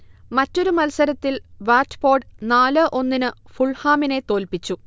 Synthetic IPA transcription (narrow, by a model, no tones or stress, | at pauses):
mɐtːo̞ɾumɐlsɐɾɐt̪ːilʋaːtbo̞ːɖnaːlɨʔo̞nːinɨfuɭhaːmine̞t̪o̞ːlpit͡ɕːu